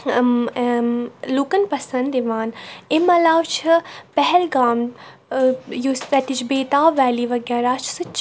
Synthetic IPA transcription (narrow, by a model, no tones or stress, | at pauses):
lukɐnpɐsɐ̃nd̪iʋaːnɪmɐlaːwt͡ʃʰipɛɦɛlɡaːm | just̪ɐt̪it͡ʃʰbeːt̪aːʋɛːliʋɐɡjaːɾaːt͡ʃʰsɨt͡ʃʰ